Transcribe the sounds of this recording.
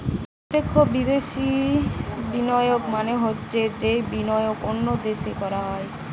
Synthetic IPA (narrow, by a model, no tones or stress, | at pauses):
pɾot̪ːekʰːobid̪eʃi | binɔjokmaneɦotːɕʰed͡ʑejbinɔjokonːod̪eʃekɔɾaɦɔe